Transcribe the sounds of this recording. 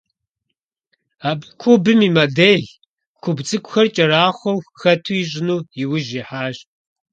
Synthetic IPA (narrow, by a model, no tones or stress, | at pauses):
aːbʼkʷʰubɨmiːmɐdeːɮ | kʷʰʊbt͡sʼɨkʷʼxɐrt͡ʃʼɐɾaːχʷɔwxɐtʰuiɕʼɪnuːjɪwʊʒiħaːʒ